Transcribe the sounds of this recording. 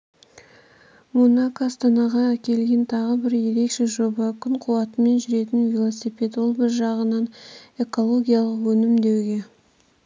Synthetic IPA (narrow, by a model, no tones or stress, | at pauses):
monɑkaːst̪ɑnɑʁɑækʲe̞lɡʲe̞nt̪ʰɑʁəbɪɾje̞ɾe̞kʃe̞ʒo̞bɑkʲʰʏnqʰʊwɑt̪əme̞nʒʏɾe̞t̪ɪnvʲilˠosipe̞t̪wo̞lˠbɪɾʒɑʁənɑne̞ko̞lˠo̞ɡʲijalˠəqwɵnɪmd̪e̞wɡʲe̞